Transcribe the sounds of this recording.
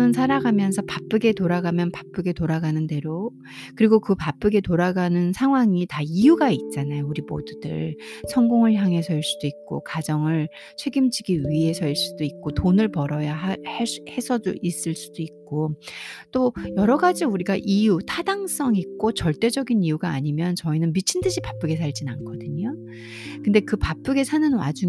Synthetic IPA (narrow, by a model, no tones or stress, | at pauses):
ɯnsʰaɾaɡamjʌnsʰʌpap͈ɯɡe̞toɾaɡamjʌnpḁp͈ɯɡe̞toɾaɡanɯnde̞ɾo | kɯɾiɡokɯpap͈ɯɡe̞toɾaɡanɯnsʰaŋɦwaŋitaijuɡait̚t͡ɕ͈anajouɾimo̰dudɯ̰ɭsʰʌŋɡoŋɯɭçjaŋɦe̞sʰʌiɭs͈ud̥oik̚k͈o̰kad͡ʑʌŋɯɭ | t͡ɕʰwe̞ɡimd͡ʑiɡiɥiɦe̞sʰʌiɭs͈udoik̚k͈otonɯɭpʌɾʌjahahe̞sʰʌd͡ʑo̰ʔis͈ɯɭs͈ud̥oik̚k͈ot͈ojʌɾʌɡad͡ʑiuɾiɡaʔijutʰadaŋs͈ʌŋik̚k͈ot͡ɕʌɭt͈e̞d͡ʑʌɡinijuɡaːɲimjʌnt͡ɕʌinɯnmit͡ɕʰindɯɕʰipap͈ɯɡe̞s̬ʰaɭd͡ʑinankʰʌdɯɲo | kɯnde̞kɯpap͈ɯɡe̞sʰanɯnwa̰d͡ʑu